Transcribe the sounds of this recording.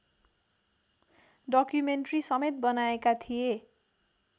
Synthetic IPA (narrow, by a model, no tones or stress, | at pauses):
ɖʌkjumenʈrisʌmet̪̚bʌnaekat̪ʰije